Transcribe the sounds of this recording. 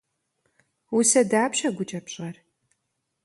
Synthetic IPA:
wʊsɐdaːpɕɐɡʷʊt͡ʃʼɐpɕʼɐr

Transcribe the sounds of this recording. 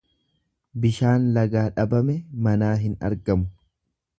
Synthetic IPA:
bɪʃaːnlɐɡaːᶑɐbɐmɛmɐnaːɦɪnɐ̰ɾɡɐmʊ

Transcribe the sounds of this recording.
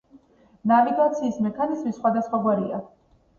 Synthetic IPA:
naviɡat̪sʰiːsmɛkʰanizmisːχwad̪asχwaɡwaɾia

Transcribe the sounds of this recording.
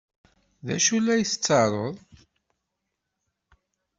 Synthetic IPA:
ðæ̰ʃulːæjəθt͡sːɑɾˤəðˤ

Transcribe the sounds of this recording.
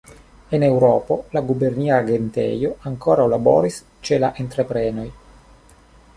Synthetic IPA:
enewɾɔːpolaɡuberniːaɡent̪ɛ̰joaŋkoːɾaolabɔ̰ːɾis | t͡ʃelaʔent̪ɾepɾɛːnoj

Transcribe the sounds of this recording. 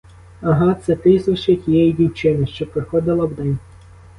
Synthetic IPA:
ɐɦɑt̪sɛt̪ɪsɐʃɛtʲijɛjidʲiwt͡ʃɪnɪʃt͡ʃɔpɾɪxɔd̪ɪlˠɐwd̪ɛnʲ

